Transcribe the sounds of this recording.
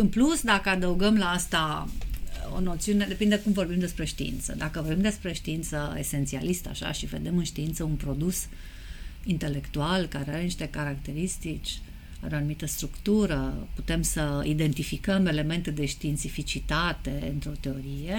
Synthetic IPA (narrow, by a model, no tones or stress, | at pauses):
ɨnplusd̪akəad̪əuɡəmlaast̪a | o̞̰no̞t̪siune̞d̪e̞pind̪ekumvo̞rbimd̪e̞spɾe̞ʃt̪iḭnt̪sə̰d̪akəvo̞rbimd̪espɾe̞ʃt̪iint̪səese̞nt̪sia̰list̪əa̰ʃa̰ʃive̞̰d̪e̞mɨnʃt̪iint̪səunpɾo̞d̪us | int̪e̞le̞kt̪ualkaɾeaɾe̞niʃt̪e̞kaɾakt̪e̞ɾist̪it͡ʃʲ | aɾeoanumit̪əst̪ɾukt̪uɾəput̪e̞msəid̪e̞nt̪ifikəmele̞me̞nt̪ed̪e̞ʃt̪iːnt̪sifit͡ʃit̪at̪e̞ɨ̰nt̪ɾo̞t̪e̞o̞ɾije